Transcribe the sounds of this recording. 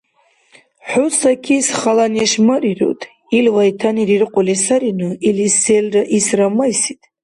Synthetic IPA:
ħusakʰisχalanjaʃmariro̰wtʰʼ | ilwajtʰaniɾirqʷʼʊlisaɾinuiliselraʔisramajsitʼ

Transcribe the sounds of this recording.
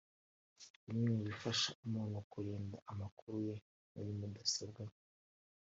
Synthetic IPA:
iɲiniɾifaʃaumunokuɾeːndaʔamakuɾuje̞ | na̰ɾimudasabɡe

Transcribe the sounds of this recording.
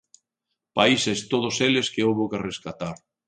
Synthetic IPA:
paisest̪oð̞oseleskeowβokereskat̪aɾ

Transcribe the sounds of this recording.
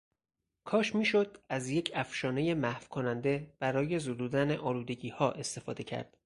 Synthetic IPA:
kʰɒːʃmiːʃod̪̥̚æzjecʰæfʃɒːne̞je̞mæhv̥kʰonænd̪e̞b̥æɾɒːje̞zod̪uːd̪æneʔɒːluːd̪e̞ɟiːhɒːʔe̞st̪e̞fɒːd̪e̞cʰæ̰ɾd̪̥

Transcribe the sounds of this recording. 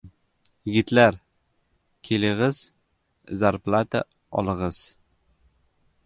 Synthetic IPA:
jɪɡʲɪt̪laɾ | kʲʰelɪʁɪz̥ | zaɾplˠat̪a | ɒ̰lˠɤʁɤz̥

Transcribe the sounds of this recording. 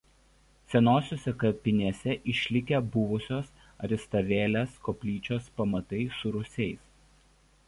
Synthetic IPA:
sʲɛnoːsʲoːsʲɛkɐpʲɪnʲɛsʲɛʔɪʃʲlʲɪkʲɛbʊʋʊsʲoːs | ɐɾʲɪst̪ɐʋʲeːlʲeskɔpʲlʲiːt͡ʃʲoːspɐmɐt̪ɐɪsʊɾʊsʲɛɪs

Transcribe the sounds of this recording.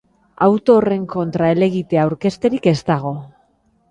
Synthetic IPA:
awt̪o̞ːre̞ŋko̞nt̪ɾae̞le̞ɣ̞it̪eawɾke̞st̪e̞ɾike̞st̪aɣ̞o̞

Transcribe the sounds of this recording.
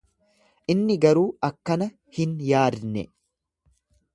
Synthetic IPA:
ʔɪnːɪɡɐɾuːɐkːɐnɐ | hɪnjaːd̪nɛ̰

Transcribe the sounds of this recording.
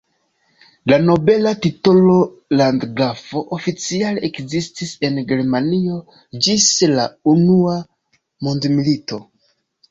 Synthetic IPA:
lano̞be̞latito̞lo | landɡafo̞ʔofit͡sialeekzistise̞nɡe̞ɾmanio̞ | d͡ʒislaunua | mondmilito̞

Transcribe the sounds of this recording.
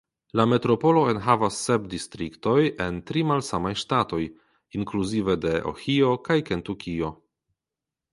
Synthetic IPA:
lame̞tɾo̞po̞lo̞enɦavasːep̚distɾikto̞jentɾimalsamajʃtato̞j | iŋkluzive̞de̞ʔo̰xio̞kajke̞ntukʰio̞

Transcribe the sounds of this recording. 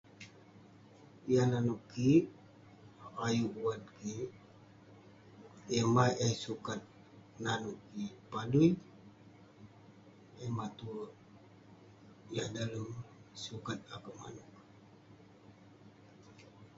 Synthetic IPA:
jananukːi | ajuʔuwanki | ɛmaʔɛsukat̪̚ | nanukːipaduj | emat̪u | jadaləmsukat̪̚akəma̰nuk̚

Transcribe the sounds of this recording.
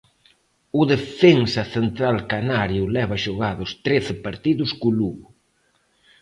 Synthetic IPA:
ʊðefeŋsɐθent̪ɾalkanaɾjʊlɛβaʃoɣaðʊst̪ɾeθɪpaɾt̪iðʊskʊluɣʊ

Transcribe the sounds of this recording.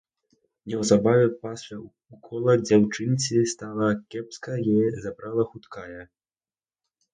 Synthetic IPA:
nʲɛwzabavʲɛpasʲlʲa | ukʰɔlˠɐd͡zʲawt͡ʂɨnʲt͡sʲist̪alˠɐkʲɛpskɐjɛzabɾalˠɐxut̪kajɐ

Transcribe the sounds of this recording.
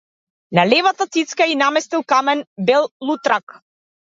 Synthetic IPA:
nalɛvat̪at̪sit̪skainamɛst̪ilˠkamɛnbɛlˠlˠut̪ɾak

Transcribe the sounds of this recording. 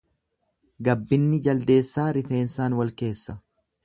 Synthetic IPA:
ɡɐbːɪnːɪd͡ʒɐld̪e̞ːsːaːɾɪfe̞ːnsaːnwɐlke̞ːsːɐ

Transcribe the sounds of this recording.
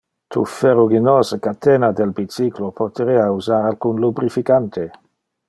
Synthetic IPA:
t̪ʰṵfeɾoɡinoːsəkat̪eːnad̪elbit͡siklopot̪eɾeauzaːɾalkunlubɾifikant̪ʰe

